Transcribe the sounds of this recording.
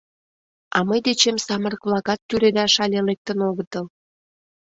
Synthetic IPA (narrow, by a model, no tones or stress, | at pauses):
ɑməjd̪et͡ɕemsɑmərəkβlɑkɑt̪ːyɾed̪ɑʃɑlʲelek̚t̪ənoɣət̪əl